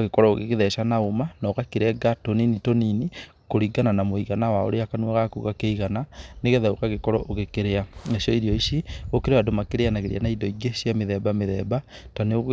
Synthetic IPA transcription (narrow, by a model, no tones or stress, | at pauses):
ɣekɔɾɔoɣḛkeðɛʃanaomanɔkakeɾɛɡatoninitonini | koɾiɡananamoiɣanawao̰ɾeakanwaɣakṵɣakeiɣananeɣɛðɛokaɣekɔɾɔʔoɣekeɾeanaʃɔiɾiɔiʃiɣokeɾewadomakeɾeanaɣeɾḭa̰naidɔiɡeʃiameðɛbameðɛba | taneo